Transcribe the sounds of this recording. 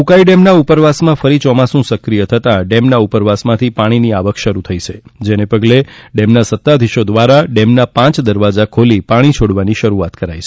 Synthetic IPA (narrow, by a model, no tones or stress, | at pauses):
ukaiɖɛmnaupəɾʋasmãfəɾit͡ʃɔmasũsəkɾijət̪ʰət̪ãɖɛmnaupəɾʋasmãt̪ʰipaɽ̃iniaʋəkʰʃəɾut̪ʰəit͡ʃʰed͡ʒenepəɡleɖɛmnasət̪ːad̪ʱiʃod̪ʋaɾaɖɛmnapãt͡ʃd̪əɾʋad͡ʒakʰolipaɽ̃it͡ʃʰoɽʋaniʃəɾuat̪kəɾajt͡ʃʰe̥